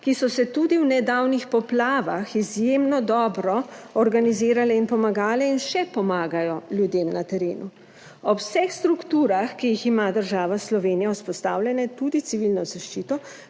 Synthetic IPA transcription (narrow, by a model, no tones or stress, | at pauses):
kisɔsɛt̪ud̪iwnɛd̪aːwnixpɔplaːʋaxizjemnɔd̪ɔːbɾɔɔɾɡaniziːɾalɛinpɔmaɡaːlɛinʃɛpɔmaːɡajɔljud̪eːmnat̪ɛɾeːnu | ɔwsɛxst̪ɾukt̪uːɾaxkijiximad̪əɾʒaːʋaslɔʋeːnijawspɔst̪aːwlʲjɛnɛt̪ud̪it̪siʋilnɔzaʃt͡ʃiːt̪ɔ